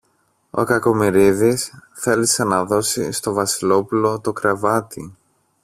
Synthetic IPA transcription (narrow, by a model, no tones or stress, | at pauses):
o̞̰ɐ̰kɐko̞miɾiðisθe̞lisenɐðo̞sist̪o̞vɐsilo̞pulo̞t̪o̞kɾɐvɐt̪i